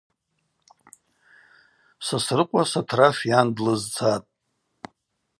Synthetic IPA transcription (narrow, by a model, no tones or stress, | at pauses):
sasrɨqʷʼasatʰrafjandlɨzt͡sʰatʼ